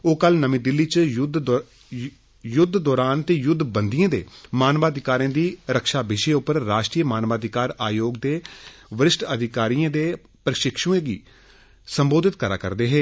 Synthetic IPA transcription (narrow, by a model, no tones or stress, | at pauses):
oːkəlnəmĩːd̪ɪlːiːt͡ʃd̪ | jʊd̪ʱd̪ɔːɾaːnt̪eːjʊd̪ʱːbənd̪ijãːd̪ḛːmaːnʋaːd̪ʱɪkaːɾẽːd̪iːɾəkʃaːbɪʃeːʊpəɾɾaːʃʈɾiːmaːnʋaːd̪ʱɪkaːɾaːjoːɡd̪eːʋɪɾɪsʈəd̪ʱɪkaːɾijãːd̪eː | pɾəʃɪkʃũːẽːɡiː | səmboːd̪ɪt̪̚kəɾa̰ːkə̰ɾd̪eːɦeː